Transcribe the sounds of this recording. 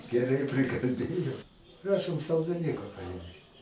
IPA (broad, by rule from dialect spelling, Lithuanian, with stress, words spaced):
ɡʲɛˈrɐɪ pʲrʲɪkɐlʲˈbʲeːjɛʊ ˈprɑːʃoːm sɐlˠdɐɪˈnʲʊkɐ pɐˈɪmʲkʲɪt